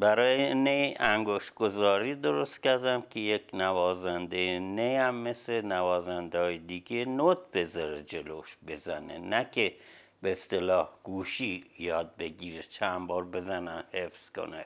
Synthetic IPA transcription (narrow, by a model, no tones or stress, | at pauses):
bæɾɒːjeneæŋɡoʃt̪̚ɡ̥o̞zɒːɾiːd̪oɾost̪kʲæɾd̪æmkʰejekʰnævɒːzænd̪ejenejæmːeslenævɒːzænd̪ɒːjed̪iɡenot̪̚ʰbe̞zɒɾed͡ʒe̞loʃbe̞zænḛnækʲʰe | beːst̪elɒːhɡ̥uːʃiːjɒːd̪̚beɡiːɾet͡ʃʰæmbɒːɾbe̞zænæmhefz̥ko̰ne